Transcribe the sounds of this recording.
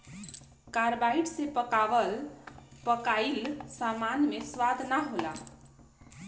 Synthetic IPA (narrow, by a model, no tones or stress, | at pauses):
kaɾbajʈsepəkaʋəlpəkailsamanmeswad̪naɦola̰